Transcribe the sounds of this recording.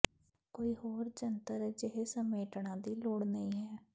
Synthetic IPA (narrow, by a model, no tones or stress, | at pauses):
koːiːɦoːɾd͡ʒənt̪əɾd͡ʒeɦesəmeːʈɳãːd̪iːloːɽnəĩːɦɛː